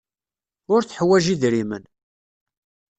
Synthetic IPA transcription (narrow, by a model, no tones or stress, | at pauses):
ʊɾθəħwæʒiðɾimən